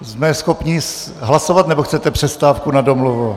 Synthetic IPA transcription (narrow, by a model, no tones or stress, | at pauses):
zmɛsxo̞pɲis | ɦlasovat̪nɛboxt͡sɛt̪ɛpr̝̥ɛst̪aːfkunadomluvu